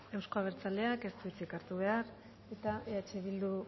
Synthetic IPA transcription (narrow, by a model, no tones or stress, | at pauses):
e̞wsko̞aβ̞e̞ɾt͡sale̞ake̞st̪uit͡sikaɾt̪uβ̞e̞aɾ | e̞t̪aeat͡ʃeβild̪u